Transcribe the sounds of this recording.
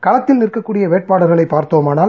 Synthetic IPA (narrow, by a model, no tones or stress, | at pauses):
kɐlɐt̪ːɪlnɪrkɐkːuːɽɪjɐʋeːʈ̚paːɽɐɾɣɐɭɐɪpːaːɾt̪oːmaːnaːl